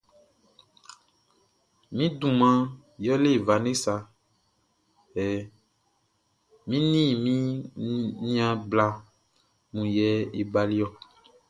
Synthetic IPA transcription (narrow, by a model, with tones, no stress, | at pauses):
mĩ˦dũ˨mã˨ | jɔ˦le˦˨va˨ne˦sa˨ | ɛ˨ | mĩ˦nĩ˦˨mĩ˦ | nĩ˦ã˨bla˨ | mũ˨jɛ˨˦e˨ɡ͡ba˨li˦ɔ˦